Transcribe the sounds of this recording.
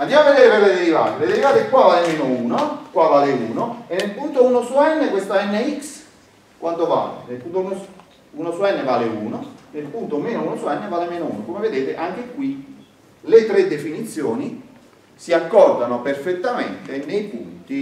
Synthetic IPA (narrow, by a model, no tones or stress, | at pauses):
and̪jamavːed̪eːɾeveled̪eɾiva̰ːt̪eled̪eɾivaːt̪ekwavaːlemeːnouːnokwavaːleuːnoenːelpunt̪ounosuɛnːekwest̪aɛnːeiks | kwant̪ova̰ːlḛnelpunt̪ounos | uːnosuɛnːevaːleṵːnonelpunt̪omeːnounosuɛnːevalemeːnoṵːnokomeved̪eːt̪eʔaŋk̟ekːwi | let̪ɾed̪ːefinit̪sːjoːni | siakːɔrd̪anoperfet̪ːamḛnt̪enejpṵnt̪i